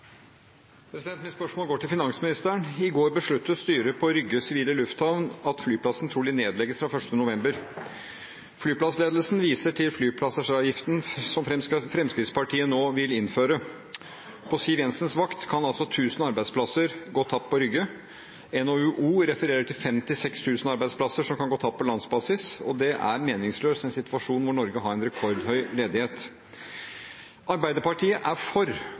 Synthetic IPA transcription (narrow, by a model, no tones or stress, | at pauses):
pʰɾɛsɪd̪ɛnt̪mɪnspœʂmoːlɡoːʈɪlfɪnɑŋsmɪnɪst̪əɳɪɡoːɾbəʂɭʉt̪ʰːəst̪yːɾəpʰɔɾʏɡəsɪʋiːləlʉft̪hɑʋnɑt̪flyːpʰlɑsn̩t̪ʰɾuːlɪneːd̪lɛɡəsfɾɑfœʂʈənʊʋɛmbəɾ | flyːpʰlɑsleːd̪əl̩sn̩ʋiːsəʈʰɪlflyːpʰlɑsəʂɑjɪft̪n̩sɔmfɾɛmfɾɛmskɾɪd̪spɑʈʰiːənoːʋɪlɪnføːɾə | pʰɔsiːʋɛnsənsʋɑkt̪kʰɑnɑlsɔt̪ʰʉːsnɑɾbæɪd̪spʰlɑsəɾɡoːt̪ʰɑpːpɔɾʏɡːə | ɛnoʉʔuːɾɛfəɾeːɾəʈ̪ɪlfɛmt̪ɪsɛkst̪ʰʉːsn̩ɑɾbæɪspʰlɑsːəʂɔmkʰɑnɡoːt̪ʰɑpːʰɔlɑnsbɑːsɪsɔd̪ɛʔæ̰ɾmeːnɪŋsløːsɛnsɪt̪ʋɑʂuːnʋʊɳɔɾɡəɦɑɾɛɪnɾɛkʰɔɾd̪hœʏleːd̪ɪheːt̪ | ʔɑɾbæɪd̪əɾpɑʈʰiːəʔæɾfɔɾ